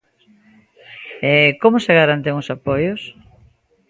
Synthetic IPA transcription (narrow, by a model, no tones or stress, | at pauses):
ɛkomʊseɣaɾant̪eŋʊsapojʊs